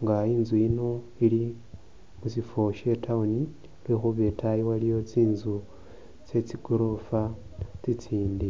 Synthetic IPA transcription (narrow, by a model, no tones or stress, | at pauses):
ŋɡaiːnzuino̞ | ili | musifo̞ʃe̞taoni | lwexuβe̞tʰajiwalijo̞t͡siːnzu | t͡se̞t͡siɡ̥oɾofa | t͡sit͡siːndi